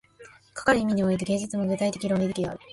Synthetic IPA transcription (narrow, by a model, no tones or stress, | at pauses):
kḁkaɾɯ̟imʲiɲ̟io̞it̪̬eɡe̞ːɲd͡ʑɨt͡sɨmo̞ɡɯt̪ait̪e̞kʲiɾonʲid̪ekʲia̰ɾɯ̟